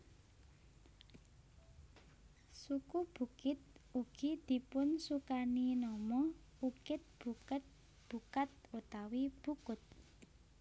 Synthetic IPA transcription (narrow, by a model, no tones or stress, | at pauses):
sukub̥ṳkɪt̪̚uɡ̥id̪̥i̤pʊnsukaninɔmɔ | ukɪt̪̚b̥ṳkət̪̚ | b̥ṳkat̪̚ut̪awib̥ukʊt̪̚